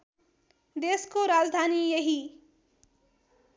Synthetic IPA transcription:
d̪eːskoɾaːd͡zd̪ʱaːnijʌɦi

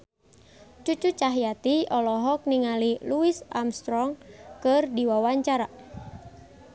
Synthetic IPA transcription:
t͡ʃut͡ʃut͡ʃaɦjat̪iɔlɔɦɔk̚niŋaliluisʔa̰mst̪ɾɔŋkərdiwawaɲt͡ʃaɾa

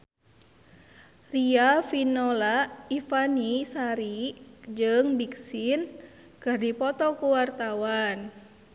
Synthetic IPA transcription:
riafinɔlaifanisaɾid͡ʒɨŋbiksin | kɨrdipɔt̪ɔkuwart̪awan

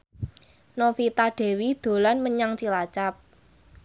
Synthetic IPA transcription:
nofit̪aɖ̥e̤wid̪̥o̤lanməɲaŋt͡ʃilat͡ʃap̚

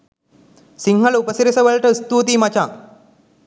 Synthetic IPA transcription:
siŋɦɐlupɐsiɾisɐʋɐɭʈɐst̪uːt̪iːmɐt͡ɕaː

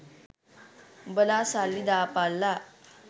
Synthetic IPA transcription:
bəlasalːid̪apalːa

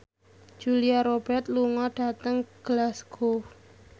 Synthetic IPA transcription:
d̥d͡ʒ̥uliaɾob̥ɛrt̪̚luŋɔɖ̥a̤t̪əŋɡ̥əlasɡof

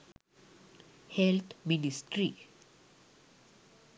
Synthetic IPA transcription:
hɛlt̪ʰminisʈɾi

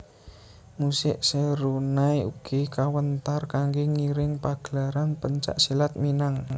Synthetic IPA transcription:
musɪʔseɾunaiṵɡ̥ikawənt̪arkaŋɡeŋiɾɪŋpaɡ̥əlaɾanpəɲt͡ʃa̰ʔsilat̪̚minaŋ

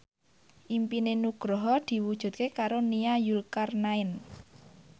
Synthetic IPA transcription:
ʔimpinenuɡ̥ɾɔɦɔd̪̥i̤wud̥ʒ̥ṳt̪̚kekaɾoniajulkarnaɪn

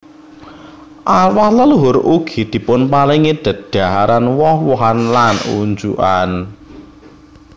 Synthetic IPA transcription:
ʔawahləluɦʊɾuɡ̥i̤d̪̥i̤pʊnpaliŋed̪̥ə̤t̪̚d̪̥a̤ɦaɾanwɔhwɔɦanlanṵɲd͡ʒṵʔan

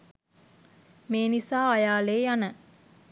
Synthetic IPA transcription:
meːnisaːajaːleːjanə

